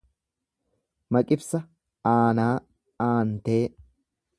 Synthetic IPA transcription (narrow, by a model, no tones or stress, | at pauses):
mɐkʼɪfsɐ | aːnaː | aːnt̪eː